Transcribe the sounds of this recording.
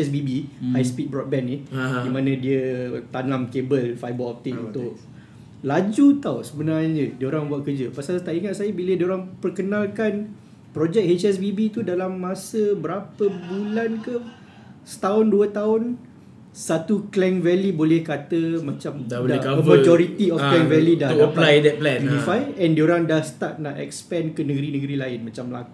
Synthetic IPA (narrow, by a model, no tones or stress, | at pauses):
ɛsbibiajspit̪̚bɾɔt̪̚bɛnɪdimãnə̃diət̪anãmkebəlfajbɔlɔf̚t̪iʔunt̪ʊk | lad͡ʒut̪awsəbənarɲə̃diəoɾaŋbuat̪̚kərd͡ʒəpasalt̪aʔiŋat̪̚sajabilədiəoɾaŋpərkənalkan | pɾɔd͡ʒɛk̚het͡ʃɛs̬bibit̪udalamːãsəbəɾapəbulankə | sə̥t̪aʊnduət̪aʊn | sat̪uklɛŋvɛlibolɛhkat̪əmãt͡ʃamdaolakaəvmad͡ʒɔɾit̪iɔfklɛŋvɛlidaəplajdɛt̚plɛ̃nunifajɛndioɾaŋdahsə̥t̪at̪̚naʔɛ̰k̚spɛ̃nkənəɡəɾinəɡəɾilaɪnmãt͡ʃamːla̰ku